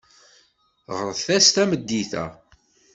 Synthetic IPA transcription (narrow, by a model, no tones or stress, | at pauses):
ʁəɾˤəθθæst̪æməd̪ːiθæ̰